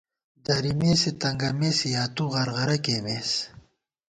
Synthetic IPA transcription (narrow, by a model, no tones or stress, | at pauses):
d̪ɐɾimeːset̪ɐŋɡɐmeːsijaːt̪uʁɐɾʁɐɾɐkeːmeːs